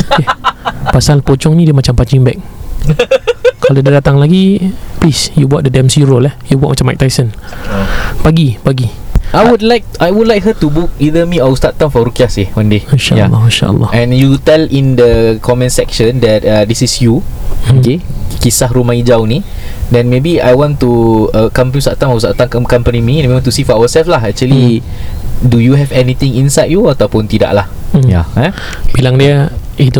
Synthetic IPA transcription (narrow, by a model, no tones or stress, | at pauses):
okepasalpot͡ʃɔŋnĩdiəmat͡ʃampad͡ʒiŋbɛk̚ | kalodadat̪aŋlaɡiplisjubuat̚dədɛ̃msiɹolɛhjubuat̚mat͡ʃama̰k̚t̪ajsən | paɡipaɡi | ʔajwudlajk̚ajwudlajk̚ɦətubuk̚idəmiawst̪at̚tãmfɔɾukiasewãndehinʃa̰ʔja̰lːɔ̰hinʃa̰ʔə̰lːɔ̰hɛ̃njut̪ɛlĩndəkʰɔmɛ̃nsɛkʃə̃ndɛt̚adisisjuokekisahɾumãid͡ʒawnĩ | dɛ̃nmebia̰jwɔ̃nt̪uəkãmpist̪aʔt̪ãmaust̪aʔt̪ãmkãmkãmpənimĩɛ̃nẽwɔ̃nt̪usifɔawəsɛlflaɦɛk̚t͡ʃuəli | dujuɦɛvɛnit̪ĩŋĩnsajdjuat̪awpʊ̃nt̪ida̰ʔlahjaa | pilaŋdiəit̪u